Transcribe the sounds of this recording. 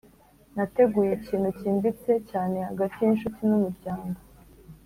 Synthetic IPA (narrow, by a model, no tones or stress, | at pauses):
nate̞ɡuːjeciːnhuciːmbit͡se̞caːne̞haɡatijinʃutinumuɾɟaːŋɡo̞